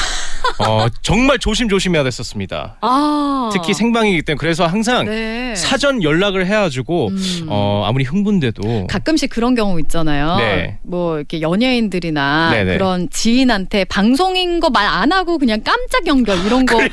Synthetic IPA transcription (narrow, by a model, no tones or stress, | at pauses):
ʌt͡ɕʌŋmaɭt͡ɕoɕʰimd͡ʑoɕʰimɦe̞jadwe̞s͈ʌs͈ɯmɲida̰ | ʌtʰɯtkʰisʰe̞ŋbaŋiɡet͈emɯkɯɾe̞sʰʌɦaŋs̬ʰaŋnesʰad͡ʑʌnjʌɭːaɡɯɭɦe̞ad͡ʑuɡoʌa̰muɾiɸɯŋbunde̞dokak͈̚ɯmɕ͈ik͈ɯɾʌnkjʌŋuit̚t͡ɕ͈anajone̞ | mwʌikʰe̞jʌɲeindɯɾinane̞̰nke̞ɯɾʌnt͡ɕiinɦantʰe̞paŋsʰoŋinɡʌmaɾanaɡokɯɲaŋk͈amt͡ɕ͈aɡjʌŋɡjʌɭiɾʌnɡʌ